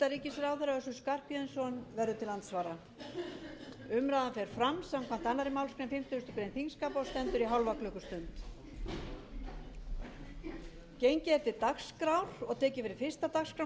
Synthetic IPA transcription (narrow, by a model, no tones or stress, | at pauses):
t̪aɾiːcɪsɛɾaːwθɛɾaœsʏskar̥pjɛðɪnsɔnvɛɾðʏt̪ʰɪlːant̪svaːɾa | ʏmɾaðanfɛɾ̥fɾamsamkʰvam̥t̪anaɾɪmawlskɾemfɪm̥t̪ʏʏst̪ʏkɾejnθiŋskapɔst̪ɛnt̪ʏɾiɦawlvaklœhkʏst̪ʏnt̪ | cejɲcɪɛɾ̥t̪ɪt̪akskɾawɾ̥ɔɣt̪ʰɛːcɪfɪɾɪ̥fɪr̥st̪at̪akskɾa